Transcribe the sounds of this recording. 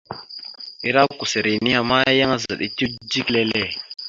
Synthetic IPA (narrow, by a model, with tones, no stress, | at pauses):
i˨ɾa˦ku˨se˨ɾi˨ni˦a˨ma˦ja˦ŋa˦za˨ɗi˦ti˦d͡ʒi˦klɛ˦lɛ˦˨